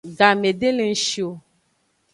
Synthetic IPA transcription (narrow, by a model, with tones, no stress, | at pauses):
ɡa˨me˨ɖe˦le˨ŋ̩˦ʃi˨o˨